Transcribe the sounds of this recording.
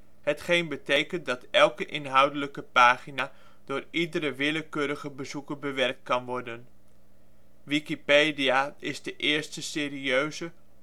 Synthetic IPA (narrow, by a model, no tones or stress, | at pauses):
ɦətχejnbətejkəntdɑtɛlˠkəʔɪnɦʌwdələkəpaːχinaː | d̥ʊːɹidəɾəʋɪləkøːɾəχəbəzukəbəʋɛrk̚t̚kɑnʋɔrdən | ʋikipejdiaɪzdəʔɪːɹstəsɪːriøɥzə